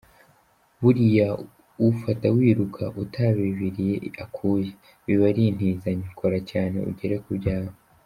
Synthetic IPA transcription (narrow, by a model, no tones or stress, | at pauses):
βuɾija | ufatawiːɾukʰaʔutʰaβiβiɾije̞akʰuːje | βiβaɾin̥hiːzaɲikʰoɾacaːne̞̰ṵɟe̞ɾekubɟaːβo